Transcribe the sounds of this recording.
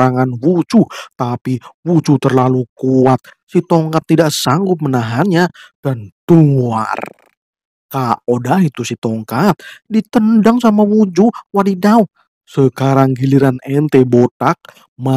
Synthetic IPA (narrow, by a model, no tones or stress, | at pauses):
aŋanwut͡ʃut̪apiwut͡ʃut̪ərlalukuat̪̚ | sit̪oŋkat̪ːidaʔsaŋɡʊp̪̚mənaɦanɲad̥ant̪uŋa̰r | kaodaɦit̪usit̪ɔŋkat̪̚dit̪əndaŋsamawud͡ʒuwadidau | səkaɾaŋɡiliɾanɛnt̪ebot̪ak̚ | ma